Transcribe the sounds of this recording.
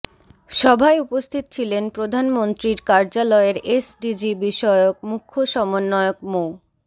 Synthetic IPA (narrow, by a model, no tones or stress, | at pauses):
ʃɔbʱaeupost̪ʰit̪o̥t͡ɕʰilenpɾod̪ʱanmont̪ɾiɾkaɾd͡ʑalɔeɾesɖid͡ʑibiʃɔeok̚mukʰːoʃɔmonːɔeok̚mo